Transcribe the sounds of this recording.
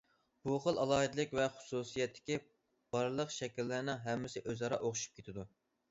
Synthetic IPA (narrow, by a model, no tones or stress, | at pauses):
b̥uχəlˠɑlˠɑːɦɨd̪ɨlˠɨkʲvɛχʊ̥susijɛt̪ʰːɪ̥kʲi | b̥ɑɾlˠəqʃɛkʲilːɪɾnɪŋɦɛmːɪsɪʔøzɑɾɑ̰ʔoχʊʃu̥p̚kʲet̪ʰɪd̪u